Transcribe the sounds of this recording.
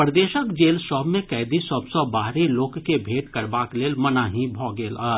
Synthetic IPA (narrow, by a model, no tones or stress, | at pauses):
pɾd̪eːʃəkd͡ʒeːlsɔːbmẽkɛːɪd̪isəbsɔbaːɾiloːkkebʱeːʈkɐɾbaːkleːlmɐnaɦĩbʱɔːɡeːlaː